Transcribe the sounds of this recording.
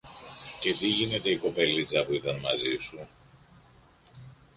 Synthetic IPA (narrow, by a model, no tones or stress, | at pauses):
ce̞ðiʝine̞t̪e̞iko̞pe̞lit͡sɐpuit̪ɐnmɐzisu